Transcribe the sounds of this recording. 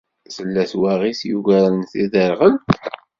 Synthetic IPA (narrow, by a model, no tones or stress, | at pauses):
θəlːæθwæʁisjuʝæɾənθiðəɾˤʁənt̪